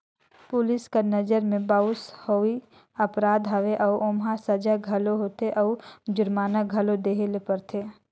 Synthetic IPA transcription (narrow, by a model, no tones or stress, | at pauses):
pʊlɪskanɐd͡ʒəɾmẽbaːʊshoːi | ɐpɾaːd̪ɦɐʋeʔɔːʔoːmɦasɐd͡ʒaɡʱɐloɦoːt̪eʔɔːd͡ʒʊɾmaːnaɡʱɐlod̪eːɦelepɐɾt̪ʰeː